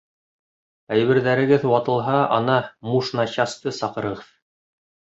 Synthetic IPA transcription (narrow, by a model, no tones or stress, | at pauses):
æjβɘ̆ɾðæɾɘ̆ɡɘðwɑt̪ɤ̆lˠɦɑɑ̰nɑmuʃnɑɕɑst̪ɤsɑqɤ̆ɾɤ̆ʁɤð